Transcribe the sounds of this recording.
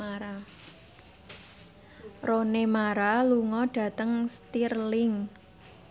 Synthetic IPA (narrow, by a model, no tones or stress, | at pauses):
aɾa | ronemaɾaluŋɔɖ̥ä̤t̪əŋst̪irlɪŋ